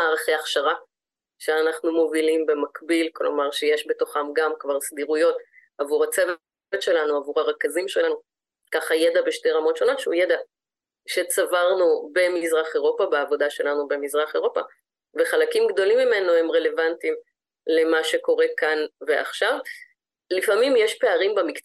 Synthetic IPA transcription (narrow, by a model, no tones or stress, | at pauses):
aʁaχeaχʃaʁa | ʃeanaχnumo̞vilimbe̞makbilklo̞̰maʁʃejeʃbe̞to̞χamɡamkvaʁsd̪iʁujo̞t | avuʁat͡sev | etʃe̞lanuavuʁaʁekazimʃelanu | kaχajedabeʃteʁamo̞tʃo̞no̞tʃeujed̪a | ʃet͡savaʁnube̞mizʁaχe̞ʁo̞pabeavo̞daʃe̞lanube̞mizʁaχe̞ʁo̞pa̰ | ve̞χalakimɡd̪o̞limːime̞noe̞mʁe̞le̞vantim | le̞maʃe̞ko̞ʁe̞kanve̞ʔa̰χʃav | lifamimjeʃpe̞aʁimbamik